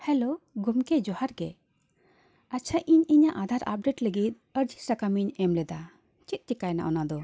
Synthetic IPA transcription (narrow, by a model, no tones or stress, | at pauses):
hɛloɡumkɛd͡ʒɔhaɾɡɛ | at͡ʃʰaʔʔiɲiɲaʔad̪ʱaɾa̰p̚ɖeʈləɡit̪̚əɾd͡ʒisakamiɲɛmlɛd̪a | t͡ʃit̪̚tikajna̰ʔɔnad̪ɔ